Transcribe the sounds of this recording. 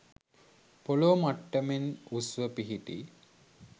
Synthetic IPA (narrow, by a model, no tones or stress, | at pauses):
poloːmaʈːəmenusʋəpiɦiʈḭ